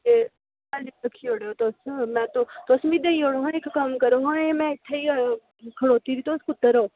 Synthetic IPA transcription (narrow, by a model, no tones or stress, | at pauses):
e | aliɐkʰioːɽjot̪osmɛ̃t̪ot̪oːsmid̪eioːɽoɦãekkamkəɾoɦãemɛ̃ɪt̪ʰːai | kʰɐɽoːt̪iːɾit̪oskʊt̪ːəɾoː